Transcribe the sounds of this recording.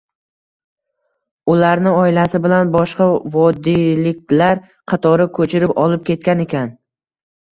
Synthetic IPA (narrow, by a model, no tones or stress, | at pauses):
ʊlaɾnɪɒɪlasɪbɪlanbɒʃqɑvɒd̪ilɪk̚ʲlaɾ | qʰɑt̪ʰɒɾɪkʰɵt͡ʃʰɪɾɪpɒlˠɪp̚kʲʰe̞t̪̚kʲane̞kʲan